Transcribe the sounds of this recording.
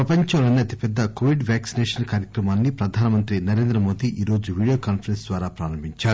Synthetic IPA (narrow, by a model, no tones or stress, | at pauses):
pɾɐpɐɲt͡ʃɐmlɐːniɐt̪i̥pɛd̪ːɐkoːʋiɖʋaːksinɛːʂɐnkaːɾjɐkɾɐmaːnːipɾɐd̪ʱaːnɐmɐnt̪ɾinɐɾe̞ːnd̪ɾɐmo̞ːd̪iʔiːɾo̞ːd͡ʒuʋiːɽijoːkaːnpʰɐɾensd̪ʋaːɾaːpɾaːɾɐmbiɲt͡ʃaːɾu